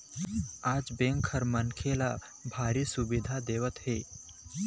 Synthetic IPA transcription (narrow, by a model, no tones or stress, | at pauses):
aːd͡ʒbẽːŋkʰːəɾmənkʰela | bʱaːɾisʊbɪd̪ʱad̪eːʋət̪ɦeː